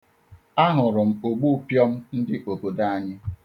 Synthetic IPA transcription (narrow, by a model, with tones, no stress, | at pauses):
a˦ɦʊ˨ɾʊ˨m̩˨o˨ɡ͡bu˦pjɔ˦m̩˦n̩˦dɪ˦ʔo˨bo˨da˦a˦˨ɲɪ˦